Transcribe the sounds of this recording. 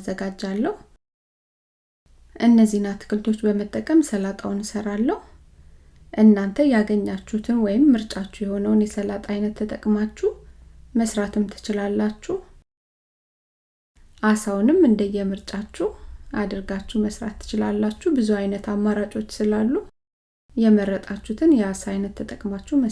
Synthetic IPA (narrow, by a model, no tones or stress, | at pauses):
zəɡad͡ʒːalːəhu | ʔɨnːəzːihnat̪ʰɨ̥kʰɨlt̪ʰo̞t͡ʃːbəmət̪ʼːəkʼəmsəlat̪ʼawnɨsəɾalːəhu | ʔɨnːant̪ʰəjaɡəɲːat͡ʃːut̪ʰɨnwɔjɪmːɨɾt͡ʃʼat͡ʃːujɛho̞nəwnjɛsəlat̪ʼajnət̪ʰːət̪ʼəkʼmat͡ʃːuməsɾat̪ʰɨmt̪ʰɨ̥t͡ʃɪlalːat͡ʃːuh | ʔasawnɨmɨnd̪əjɛmɨɾt͡ʃʼat͡ʃːuʔad̪əɾɡat͡ʃːuhməsɾa̰t̪ʰːɨ̥t͡ʃɪlalːat͡ʃːubɨzuajnət̪amːaɾat͡ʃʼo̞t͡ʃːsɨlalːu | jɛməɾːət̪ʼat͡ʃːut̪ʰɨnjɛasajnət̪ʰːət̪ʼəkʼmat͡ʃːumə